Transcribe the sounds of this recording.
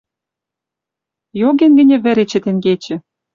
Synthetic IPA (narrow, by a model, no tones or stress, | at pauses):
joɣenɡɘ̆nʲĕβɘ̆ɾet͡ɕĕt̪eŋɡet͡ɕɘ̆